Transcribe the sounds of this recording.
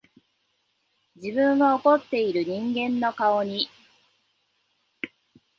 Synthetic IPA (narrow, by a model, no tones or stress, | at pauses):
d͡ʑibɯ̟̃ŋɡao̞ko̞t̪ːe̞iɾɯ̟ɲ̟ĩŋɡẽ̞nːo̞kaoɲ̟i